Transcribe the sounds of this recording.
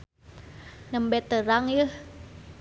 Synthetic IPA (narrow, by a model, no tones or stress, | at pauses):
nəmbɛt̪ːəɾaŋjəh